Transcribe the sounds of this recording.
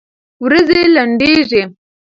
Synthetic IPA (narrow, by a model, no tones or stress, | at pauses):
wɾazelaɳɖeʐe